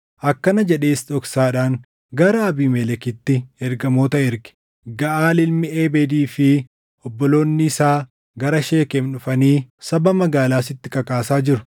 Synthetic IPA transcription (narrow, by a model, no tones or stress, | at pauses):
ʔɐkːɐnɐd͡ʒɛᶑe̞ːst̪ɔksaːᶑaːŋ | ɡɐɾɐːbiːmɛlɛkɪt̪ːɪɛɾɡɐmo̞ːt̪ɐɪɾɡɪ̥ | ɡɐʔaːlɪlmɪeːbed̪iːfɪ | ɔbːɔlo̞ːnːɪːsaː | ɡɐɾɐʃe̞ːkɛmnʊfɐniːsɐbɐmɐɡaːlaːsɪt̪ːɪkɐkʼaːsaːd͡ʒɪɾʊ